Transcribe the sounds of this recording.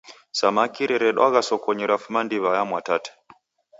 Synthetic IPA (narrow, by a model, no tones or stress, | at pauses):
samakiɾɛɾɛɗwaɣasɔkɔɲɛɾafumandiβajamwatatɛ̥